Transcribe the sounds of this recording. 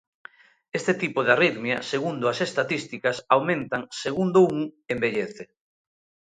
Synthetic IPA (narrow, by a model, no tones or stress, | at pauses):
est̪et̪ipoðariðmjɐseɣund̪ʊasest̪at̪ist̪ikɐsawmẽnt̪aŋseɣund̪ouŋembeʎeθe